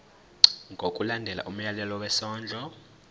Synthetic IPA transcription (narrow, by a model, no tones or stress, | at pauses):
ŋɡʱokʼulandʱɛla̰ʔum̩jalɛlɔwɛsɔːnd͡ɮʱɔ